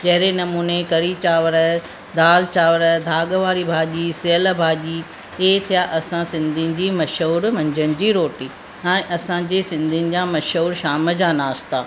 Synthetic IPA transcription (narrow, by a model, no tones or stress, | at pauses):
d͡ʑɐɦɪɾenɐmuːnekɐɾit͡ɕaːʋəɾ | d̪aːlt͡ɕaːʋəɾd̪ʱaːɠəʋaːɾibʱaːʄisɪəlbʱaːʄi | eːt̪ʰijaʔɐsãsɪ̃nd̪ʱɪnɪ̆d͡ʑiːmɐʃuːɾʋɐ̃ɲd͡ʑənɪ̆d͡ʑiːɾoːʈiː | ɛ̃ːʔɐsãd͡ʑeːsɪ̃nd̪ʱɪnɪ̆d͡ʑãːmɐʃuːɾʃaːmə̆d͡ʑaːnaːst̪aː